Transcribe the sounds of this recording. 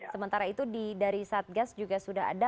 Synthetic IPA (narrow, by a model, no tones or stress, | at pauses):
səmənt̪aɾait̪udidaɾisat̪̚ɡasd͡ʒuɡasudaɦa̰da